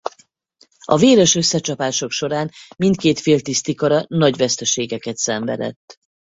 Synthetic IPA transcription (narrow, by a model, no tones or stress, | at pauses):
ɒ̰veːɾɛʃø̞sːɛt͡ʃɒpaːʃo̞kʃo̞ɾaːnmint̪keːt̪feːlt̪ist̪ikɒɾɒnɒɟvɛst̪ɛʃeːɡɛkɛt̪sɛɱvɛ̰d̪ɛ̰t̪ː